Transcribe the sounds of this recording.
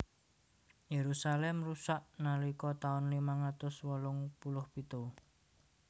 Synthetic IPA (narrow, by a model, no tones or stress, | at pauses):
jeɾusalɛmrusaʔnalikɔt̪aʊnlimaŋat̪ʊswɔlʊŋpulʊhpit̪o